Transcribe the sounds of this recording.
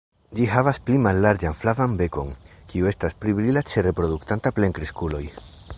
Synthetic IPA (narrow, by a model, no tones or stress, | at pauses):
d͡ʒiɦavasplimalːaɾd͡ʒanflavanbe̞ko̞̰ŋkiue̞stasplibɾilat͡ʃe̞re̞pɾo̞duktantapleŋkɾiskulo̞j